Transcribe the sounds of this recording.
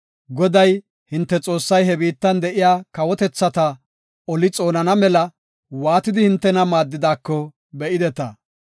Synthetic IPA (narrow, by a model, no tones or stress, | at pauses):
ɡɔd̪ɐj | hɪnt̪ːɛt͡sʼo̞ːsːɐjɦɛbiːt̪ːɐnd̪ɛʔɪjaːkɐwɔt̪ɛt͡sːɐt̪ɐ | ɔlɪt͡sʼo̞ːnɐnɐmɛlɐ | waːt̪ɪd̪ɪhɪnt̪ːɛnɐmaːd̪ːɪd̪aːkːɔ | bɛʔɪd̪ɛt̪ɐ